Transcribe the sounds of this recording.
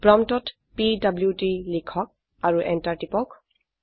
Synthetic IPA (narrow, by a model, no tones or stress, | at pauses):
pɹɔmtɔt | pidabljutilikʰɔk̚ | aɹuʔɛntaɹtipɔk